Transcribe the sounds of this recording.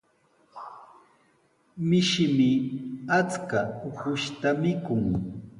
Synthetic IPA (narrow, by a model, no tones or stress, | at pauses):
mɪʃɪmɪat͡skaʊhʊʃt̪amɪkʊŋ